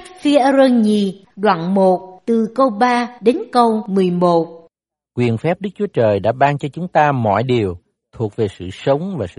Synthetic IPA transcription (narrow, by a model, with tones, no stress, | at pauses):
fi˨˦ʔə˧zə˧ɲi˧˩ɗwa̰ː˧˨nmo˨˩t̚t̪ɨ˨˩kə˧wɓaː˧ɗe˨˦nkə˧wmɨ˨˩əjmo˨˩t̚ | kwi˨˩ənfɛ˦˥p̚ɗɨ˦˥k̚t͡ɕu˨˦ət͡ɕəː˨˩jɗa̰ː˧˥ɓaː˧ŋt͡ɕɔ˧t͡ɕʊ˨˦ŋ͡mt̪aː˧mɔ̰˧˨jɗi˨˩əw | t̪ʰu˨˩ək̚ve˨˩sɨ̰˧˨sə˨˦wŋ͡mvaː˨˩sɨ̰˧